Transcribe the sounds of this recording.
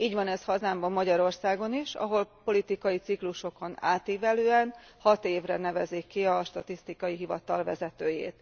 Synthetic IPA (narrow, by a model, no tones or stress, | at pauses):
iːɟʋɒnɛshɒzaːmbɒmːɒɟɒɾo̞rsaːɡo̞niʃɒ̰ɦo̞lpo̞lit̪ikɒjit̪sikluʃo̞ko̞na̰ːt̪iːvɛløːɛnhɒt̪eːvrɛnɛvɛzikːiɒʃt̪ɒt̪ist̪ikɒjiɦivɒt̪ɒlvɛ̰zɛt̪øːjḛːt̪